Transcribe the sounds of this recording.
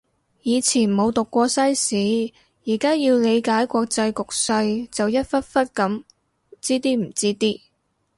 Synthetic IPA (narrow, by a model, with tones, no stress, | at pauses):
jiː˨˧t͡sʰiː˨˩nmo˨˧wt̪ʊ˨kːʷɔː˧sɐ˥jsiː˨˥ | jiː˨˩kaː˥jiː˧wle˨˧jkaː˨˥jkʷɔː˧k̚t͡sɐ˧jkʊ˨k̚sɐ˧jt͡sɐ˨wjɐ˥t̚fɐ˥t̚fɐ˥t̚kɐ˨˥m | t͡siː˥t̪iː˥m̩˨˩t͡siː˥t̪iː˥